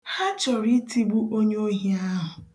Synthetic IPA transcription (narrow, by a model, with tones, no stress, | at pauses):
ha˦t͡ʃɔ˨ɾi˦ti˦ɡ͡bu˦ʔo˦ɲ˦o˦ɦi˦a˦ɦʊ˨